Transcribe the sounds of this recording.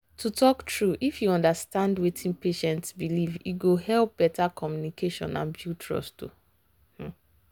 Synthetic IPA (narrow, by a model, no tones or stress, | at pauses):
tʰutʰɔktɹuʔifjuɔ̃ndastãndwetʰĩnpeʃɛ̃ntsbiliviɡoɦɛlp̚b̥ɛtakɔmjunikʰeʃɔ̰̃nã̰nbjutʰɹɔ̰stṵ | h̩